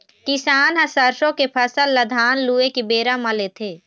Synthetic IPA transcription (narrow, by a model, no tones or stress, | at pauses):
kɪsaːnɦɐ̃səɾsõkepʰəsəlːəd̪ʱaːnluːekebeːɾamalet̪ʰeː